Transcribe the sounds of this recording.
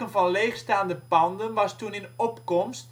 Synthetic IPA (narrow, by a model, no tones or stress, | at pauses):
ənvɑnleːχstaːndəpɑndənʋɑstunɪnɔpkɔmst